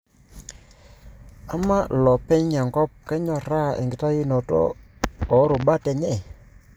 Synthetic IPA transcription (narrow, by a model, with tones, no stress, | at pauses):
a˦ma˦lɔ˨pɛ˦ɲɲa˨ŋɡɔ˦p̚kɛ˦ɲɔ˨ɾa˦˨ʔɪ̰˨ŋɡɪ˨ta˦ji˦nɔ˨tɔ̰˦ɔ˨˦ɾʊ˨ɓa˦tɛ˨ɲɛ˦˨